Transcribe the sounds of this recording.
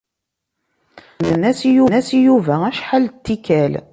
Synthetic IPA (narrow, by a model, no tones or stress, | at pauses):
nənːæsijunæsijuvææʃħalt̪ːikæl